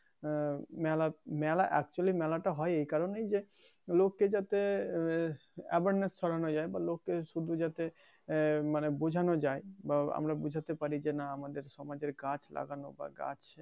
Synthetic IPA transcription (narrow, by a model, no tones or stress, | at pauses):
mɛlamɛlaʔɛ̰k̚t͡ɕualimɛlaʈaɦɔeejkaɾonejd͡ʑe | lokːed͡ʒat̪e | ɛ̰baɾnesʃʰɔɽanod͡ʑaebalokːeʃud̪ʱud͡ʑat̪e | manebud͡ʑʱanod͡ʑaebaa̰mɾabud͡ʑʱat̪epaɾid͡ʑenaamad̪eɾʃɔmad͡ʑeɾɡat͡ɕʰlʔa̰ɡano̰ba̰ɡa̰t͡ɕ